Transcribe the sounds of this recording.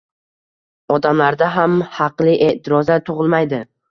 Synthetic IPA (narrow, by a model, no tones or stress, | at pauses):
ɒd̪amlaɾd̪aɦamhɑqlˠɪʔe̞t̪ʰɪɾɒzat̪ʰʊʁɨlˠmajd̪ɪ